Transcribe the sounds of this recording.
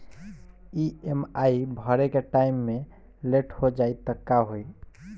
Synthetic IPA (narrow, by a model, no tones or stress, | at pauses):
iemaibʱəɾekeʈaimːe | leʈʰhod͡ʒajt̪əkːaɦoj